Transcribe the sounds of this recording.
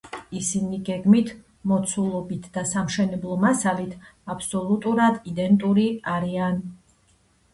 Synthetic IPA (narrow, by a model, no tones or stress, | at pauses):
isiniɡɛɡmit̪ʰ | mɔt̪sʰulˠɔbit̪ʰd̪̥asamʃɛnɛblˠɔmasalit̪ʰapʰsɔlˠut̪ʼuɾad̪id̪ɛnt̪ʼuɾiaɾian